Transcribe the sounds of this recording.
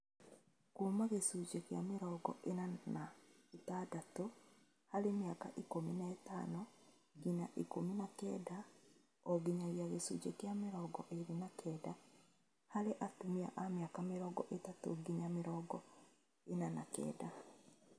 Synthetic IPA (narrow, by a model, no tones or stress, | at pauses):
kuːmaɣesud͡ʒekja̰meɾɔɡɔ̰ʔenanaetadato | haɾemjakaʔikominaɛtanɔ | ɡiɲaʔikominakɛ̰da | ɔɡiɲaɣiaɣesṵt͡ʃekjameɾɔɡɔʔeɾinakʰɛda | haɾeʔatumia̰ʔameakameɾɔːɡɔ̰ʔetato̰ɡiɲameɾɔːɡɔ | enanakɛ̰ːda